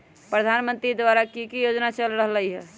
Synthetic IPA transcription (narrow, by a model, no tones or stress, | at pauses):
pɾəd̪ʱanmənt̪ɾid̪ʋaɾakikijod͡ʒnat͡ʃəlɾəɦləjɦɛ